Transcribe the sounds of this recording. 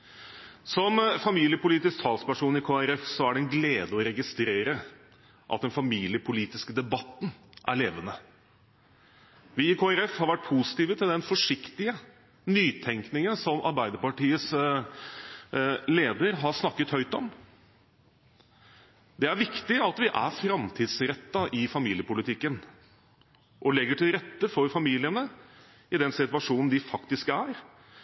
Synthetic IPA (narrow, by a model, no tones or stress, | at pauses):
sɔmfɑmiːlɪəpʊliːt̪ɪsk̚t̪ʰɑːlspæʂuːnɪkʰoːæɾɛfsɔæɖɛnɡleːd̪əɔɾɛɡɪst̪ɾeːɾə | ʔɑ̰t̪̚d̪ɛnfɑmiːlɪəpʰʊliːt̪ɪskəd̪ɛbɑt̪ːnʔæ̰ɭeːʋənə | ʋɪɪkʰoːæɾɛfhɑɾʋæʈ̚ːpʰuːsɪ̥t̪iːʋət̪ʰɪld̪ɛnfɔʂɪkt̪ɪə | nyːt̪ʰɛŋknɪŋənsɔmɑ̰ɾbæɪd̪əɾpɑʈiːəs | leːd̪əɾɦɑɾʂnɑkːət̪hœʏt̪ɔm | d̪ɛæɾʋɪkt̪ɪɑt̪ʋɪʔæ̰ɾfɾɑmt̪ʰiːd̪sɾɛt̪ːɑʔɪfɑmiːljəpʊlɪt̪ʰɪkːən | ʔɔlɛɡːəʈʰɪlɾɛt̪ːəfɔɾfɑmiːlɪənə | ɪd̪ɛnsɪt̪ʉɑʂuːnn̩d̪ɪfɑkt̪ɪskæɾ